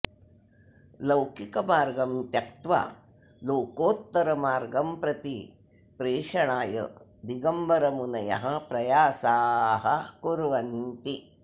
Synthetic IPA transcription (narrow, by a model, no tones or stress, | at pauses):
lɐwkikɐmaːɾɡɐmt̪jɐkt̪ʋa̰ | loːkoːt̪ːɐɾɐmaːɾɡɐmpɾɐt̪i | pɾeːʂɐɳaːjɐ̰d̪iɡɐmbɐɾɐmunɐjɐ̰ɦɐ̆pɾɐjaːsaːɦɐkuɾʋɐnt̪i